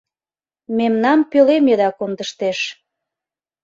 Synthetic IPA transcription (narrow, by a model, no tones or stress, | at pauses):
memnɑmpølemed̪ɑkond̪əʃt̪eʃ